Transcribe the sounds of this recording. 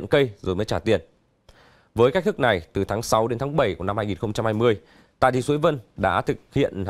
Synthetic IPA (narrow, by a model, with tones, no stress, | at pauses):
nkə˧jzo˨˩jməː˨˦jt͡ɕaː˧˩t̪i˨˩ən | vəː˨˦jka˦˥k̚t̪ɨ˦˥k̚na˨˩jt̪ɨ˨˩t̪ʰaː˨˦ŋsa˨˦wɗe˨˦nt̪ʰaː˨˦ŋɓə˧˩jku˧˩əna˧mhaː˧ŋi˨˩nxə˧wŋ͡mt͡ɕa˧mhaː˧jmɨ˧əj | t̪a̰ː˧˨jt̪i˧˨swu˨˦jvə˧nɗa̰ː˧˥t̪ʰɨ˨˩k̚hḭ˧˨ən